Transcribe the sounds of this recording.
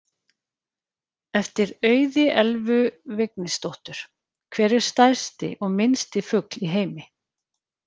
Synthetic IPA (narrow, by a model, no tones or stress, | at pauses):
ɛft̪ɪɾœːɥðɪʔɛlvʏvɪknɪst̪owht̪ʏɾ̥ | kʰvɛːɾɪɾ̥st̪ajɾ̥st̪ɪ̰ʔɔɣmɪnst̪ɪfʏkliɦeːjmɪ